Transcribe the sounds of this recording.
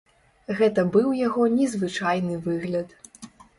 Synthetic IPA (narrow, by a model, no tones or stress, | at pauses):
ɣɛt̪ɐbɨwjaɣɔnʲɛzvɨt͡ʂajnɨvɨɣlʲɐt̪